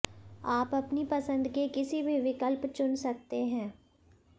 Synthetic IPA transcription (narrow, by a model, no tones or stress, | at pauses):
aːpɐpnipɐsə̃nd̪kekɪsibʱiʋɪkəlpt͡ʃʊnsɐk̚t̪eɦɛ̃ː